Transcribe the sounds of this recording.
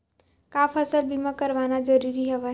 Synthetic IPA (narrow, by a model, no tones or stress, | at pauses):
kaːfʰəsəlbʱimakəɾʋanad͡ʒəɾiɾiɦɛʋɛ